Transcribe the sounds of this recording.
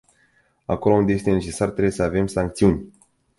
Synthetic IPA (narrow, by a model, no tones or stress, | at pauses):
a̰ko̞lo̞und̪ee̞st̪e̞ne̞t͡ʃe̞sart̪ɾebjesəave̞msaŋk̚t̪siunʲ